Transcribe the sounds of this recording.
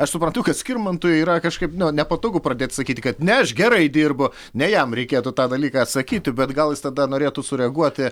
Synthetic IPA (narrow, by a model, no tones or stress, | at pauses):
ɐʃsʊpɾɐnt̪ʊkɐt̪sʲkʲɪrmɐnt̪ʊjʊiːɾɐkɐʃkɐɪpnʊnʲɛpɐt̪oːɡʊpɾɐd̪ʲeːt̪ʲsɐkʲiːt̪ʲɪkɐt̪nʲɛɐʃɡʲɛɾɐɪd̪ʲirbʊ | nʲɛjɛmɾʲɛɪkʲeːt̪ʊt̪ɑːd̪ɐlʲiːkɑɐt̪sɐkʲiːt̪ʲɪbʲɛt̪ɡɐlˠjɪst̪ɐd̪ɐnoːɾʲeːt̪ʊsʊɾʲɛɐɡuɔt̪ʲɪ